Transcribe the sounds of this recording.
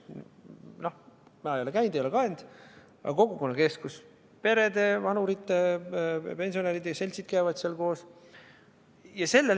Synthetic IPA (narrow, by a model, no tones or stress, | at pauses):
nohmɑejo̞lekæjnd̪ejolekɑend̪̥ | ɑ̰ko̞ɡuko̞nːɑke̞skus | pe̞ɾe̞d̪e̞vɑnuɾit̪ˑːe | pe̞nʲsio̞neɾid̪jɑse̞lʲt̪sid̪̥̚kæjvɑd̪selko̞ːs | jɑse̞lːe